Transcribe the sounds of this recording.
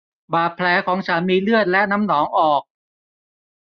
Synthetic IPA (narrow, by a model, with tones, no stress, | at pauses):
baː˨˩t̪̚pʰlɛː˩˦˥kʰɔː˩˦ŋt͡ɕʰa˦˥nmiː˧lɯ˥˩ət̪̚lɛ˦˥na˦˥mnɔː˩˦ŋʔɔː˨˩k̚